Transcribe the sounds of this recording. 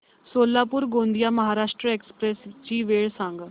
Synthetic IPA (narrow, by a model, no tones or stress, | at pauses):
soːlːaːpʊɾɡõːnd̪ijaːməɦaːɾaːʃʈɾəeːkspɾɛst͡ʃiːʋeːɭsə̃ŋɡ